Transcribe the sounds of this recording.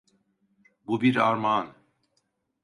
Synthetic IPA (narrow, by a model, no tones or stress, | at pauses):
bubiɾaɾmaːn